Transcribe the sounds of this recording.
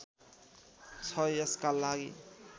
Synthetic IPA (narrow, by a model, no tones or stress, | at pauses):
t͡sʰʌeskalaɡi